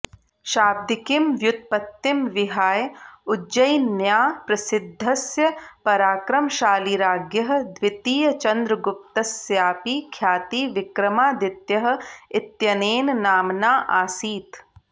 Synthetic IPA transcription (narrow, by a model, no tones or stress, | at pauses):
ʃaːb̚d̪ikimʋjʊt̪̚pɐt̪ːimʋɪɦaːjud͡ʒɐjnjaːpɾɐsɪd̪ʱːɐsjɐpɐɾaːkɾɐmʃaːliɾaːɡjɐɦɐ̆d̪ʋɪt̪iːjɐt͡ʃɐnd̪ɾɐɡʊp̚t̪ɐsjaːpiːkʰjaːt̪iːʋɪkɾɐmaːd̪ɪt̪jɐɦɐ̆ɪt̪jɐneːnnaːmnaːʔaːsiːt̪